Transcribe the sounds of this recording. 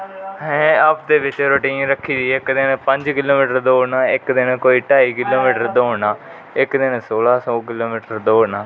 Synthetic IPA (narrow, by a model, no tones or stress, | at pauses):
ɦɛ̃ːaːp̚d̪eːʋɪt͡ʃɾoːʈiːnɾəkʰːiːd͡ʒiːɪkd̪ɪnpəɲd͡ʒkɪloːmiːʈəɾd̪oːnaːɪkd̪ɪnkoːiːʈaːiːkɪloːmiːʈəɾd̪oːnaː | ɪkd̪ɪnsoːlaːsɔːkɪloːmiːʈəɾd̪oːnaː